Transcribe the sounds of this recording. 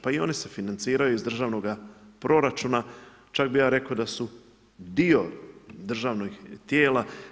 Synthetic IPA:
paio̞̰nise̞finant̪siːɾajuizd̪r̩ʒaːʋno̞ɡapɾo̞ɾat͡ʃuna | t͡ʃak̚bijaːɾe̞kaod̪asu | d̪io̞d̪r̩ʒaːʋno̞ɡt̪jeːla

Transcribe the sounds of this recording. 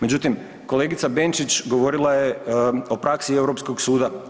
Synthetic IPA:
me̞d͡ʑut̪im | ko̞le̞ɡit̪sabe̞nt͡ʃit͡ɕɡo̞ʋo̞ɾilˠajeo̞pɾaksieʋɾo̞psko̞ɡsuːd̪a

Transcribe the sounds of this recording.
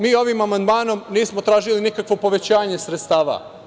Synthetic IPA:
miːo̞ʋimamand̪maːno̞mniːsmo̞t̪ɾaːʒilinikakʋo̞po̞ʋe̞t͡ɕaːɲe̞sɾet̪st̪aːʋa̰

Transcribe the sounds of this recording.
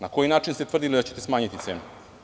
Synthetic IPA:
nako̞jinaːt͡ʃinst̪et̪ʋrd̪ilid̪at͡ɕe̞t̪e̞smaːɲit̪it̪se̞ːnu

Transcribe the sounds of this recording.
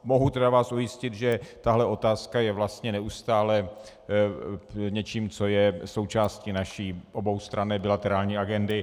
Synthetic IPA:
moɦut̪ɛdavaːsujɪscɪt̪ʒɛt̪aɦlɛo̞t̪aːskajɛvlast̪ɲɛnɛust̪aːlɛ | ɲɛt͡ʃiːmt͡so̞jɛso̞wt͡ʃaːsciːnaʃiːʔobo̞wst̪ɾanɛːbɪlat̪ɛɾaːlɲiːaɡɛndɪ

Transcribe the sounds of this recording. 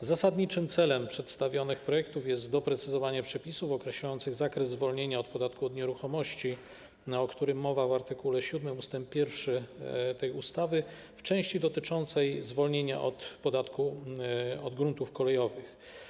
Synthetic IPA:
zasad̪ɲit͡ʂɘmt̪sɛlɛmpʂɛt̪st̪avʲjɔnɘxpɾɔjɛkt̪ufjɛst̪d̪ɔpɾɛt̪sɘzɔvaɲɛpʂɛpʲisufɔkɾɛɕlajɔnt̪sɘɣzakɾɛzzvɔlɲeɲaɔt̪pɔd̪at̪kuɔd̪ɲɛɾuxɔmɔɕt͡ɕi | ɔkt̪uɾɘmːɔvavaɾt̪ɘkulɛɕud̪mɘmust̪ɛmppʲːjɛɾfʂɘt̪ɛjust̪avɘ | ft͡ʂɛ̃w̃ɕt͡ɕid̪ɔt̪ɘt͡ʂɔnt̪sɛjzvɔlɲeɲa̰ʔɔ̰t̪pɔd̪at̪ku | ɔd̪ɡɾunt̪ufkɔlɛjɔvɘx

